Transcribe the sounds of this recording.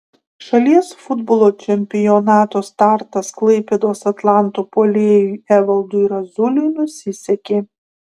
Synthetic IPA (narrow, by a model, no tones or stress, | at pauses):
ʃɐlʲiɛsfʊd̪bolˠoːt͡ʃʲɛmʲpʲɪjɔnɑːt̪oːst̪ɑˑɾt̪ɐsklˠɐɪpʲeːd̪oːsɐt̪lˠɑˑnt̪oːpoːlʲeːjʊɪæʋɐlˠd̪ʊɪɾɐzʊlʲʊjnʊsʲɪsʲɛkʲeː